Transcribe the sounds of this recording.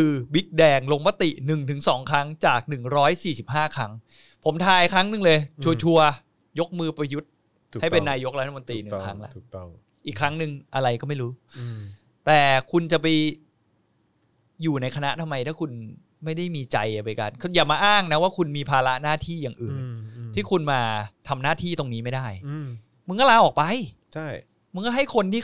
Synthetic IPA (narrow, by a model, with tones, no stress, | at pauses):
kɯː˧bi˦˥k̚dɛː˧ŋlo˧ŋma˦˥t̪i˨˩ʔnɯ˨˩ŋt̪ʰɯ˩˦ŋsɔː˩˦ŋkʰa˦˥ŋt͡ɕaː˨˩k̚nɯ˨˩ŋɾɔː˦˥jsiː˨˩si˨˩p̚ɦaː˥˩kʰa˦˥ŋ | pʰo˩˦mt̪ʰaː˧jkʰɾa˦˥ŋnɯ˨˧˩ŋlɤː˧jt͡ɕʰu˧ɐt͡ɕʰu˧ɐ | jo˦˥k̚mɯː˧pɾa˧ju˦˥t̪̚ʰ | ha˥˩jpe˧nːaː˧jo˦˥k̚a˦t̪ʰa˧mo˧nt̪ɾiː˧nɯ˨˩˨kʰa˦˥ŋla̰˧˩tʰː | ʔiː˨˩kʰːɾa˦˥ŋnɯ˨˧ŋʔa˧ɾa˧jkɔː˥˩ma˥˩jɾuː˦˥ | t̪ɛː˨˩kʰu˧nt͡ɕa˨˩pa˧j | juː˨˩na˧jkʰa˧na˦˥ʔt̪ʰa˧mːa˧jt̪ʰaː˥˩kʰu˧n | ma˥˩jda˥˩jmiː˧t͡ɕa˧ja˨˩pa˧jka˧nkʰjaː˨˩maː˧ʔaː˥˩ŋna˦˥waː˥˩kʰu˧nmiː˧pʰaː˧la˦˥ʔnaː˥˩t̪ʰiː˥˩jaː˨˩ŋʔɯː˨˩nt̪ʰiː˥˩kʰu˧nmaː˧t̪ʰa˧mnaː˥˩t̪ʰiː˥˩t̪o˧ŋniː˦˥ma˥˩jda˥˩j | mɯ˧ŋkɔ˥laː˧ʔɔː˨˩k̚pa˧j | t͡ɕʰa˥˩j | mɯ˧ŋkɔ˥˩ɦa˥˩jkʰo˧ntiː˥˩